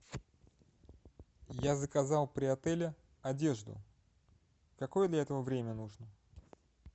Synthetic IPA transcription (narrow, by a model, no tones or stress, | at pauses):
jazəkɐzɑlˠpɾʲɪɐt̪ɛlʲɪ | ɐdʲe̞ʐd̪ʊ̰ | kɐko̞jəd̪lʲɐɛt̪əvəvɾʲemʲənuʐnə